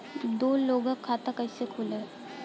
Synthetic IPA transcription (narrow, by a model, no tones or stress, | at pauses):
d̪olːoɡəkʰːat̪əkajsekʰulə